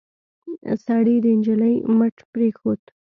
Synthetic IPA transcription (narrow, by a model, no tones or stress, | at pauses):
sɑɽid̪əɪnd͡ʒələjməʈpɾexod̪